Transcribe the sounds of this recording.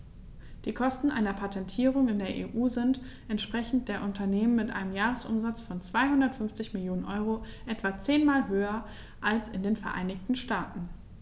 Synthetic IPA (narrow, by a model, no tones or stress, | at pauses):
d̥iːkʰɔstn̩ʔa̰ɪnɐpʰatʰɛntʰiːʁ̞ʊŋɪndeːɐʔḛːʔuːzɪnt | ʔɛntʃpʁ̥ɛçn̩t̚d̥eːɐʔʊntɐneːmənmɪtʔa̰ɪnəmjaːʁ̞əsʔʊ̰mzat͡sfɔnt͡sv̥aɪhʊndɐtfʏnft͡sɪçmɪljoːnənʔɔʏʁoʔɛtv̥at͡seːnmaːlɦøːɐ | ʔalsɪndeːnfɛɐʔa̰ɪnɪçtn̩ʃtaːtn̩